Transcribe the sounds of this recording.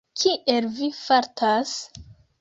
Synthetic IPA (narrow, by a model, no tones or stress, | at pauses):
kʰiʔelvifaɾtʰas